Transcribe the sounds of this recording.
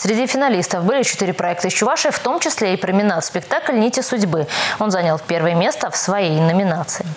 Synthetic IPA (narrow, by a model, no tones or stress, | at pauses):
sʲɾʲɪdʲifʲɪnɐlʲist̪əfbɨlʲɪt͡ɕɪt̪ɨɾʲɪpɾɐɛk̚t̪ɨt͡ɕːʊvaʂɨft̪o̞mt͡ɕɪsʲlʲeipɾəmʲɪnat̪spʲɪkt̪aklʲnʲitʲɪsʊdʲbɨo̞nzanʲalˠpʲe̞rvəjəmʲe̞st̪əfsvɐjejnəmʲɪnat̪sɨɪ